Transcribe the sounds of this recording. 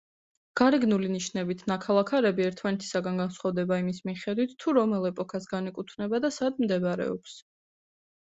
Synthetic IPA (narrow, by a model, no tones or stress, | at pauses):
ɡ̥aɾɛɡnuliniʃnɛbit̪ʰnakʰalˠakʰaɾɛbiɛɾt̪ʰmanɛt̪ʰi̥saɡanɡansχavd̪ɛbaimismiχɛd̪wit̪t̪ʰːuɾɔmɛlˠɛpʼɔkʰasɡanikʼut̪ʰnɛbad̪asad̪md̪ɛbɾɛ̰ɔ̰ps